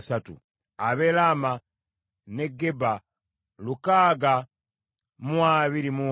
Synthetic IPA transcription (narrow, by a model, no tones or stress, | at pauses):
satṵ | aβelama | ne̞ɡːe̞ba | lukaːɡa | muwaβiɾimu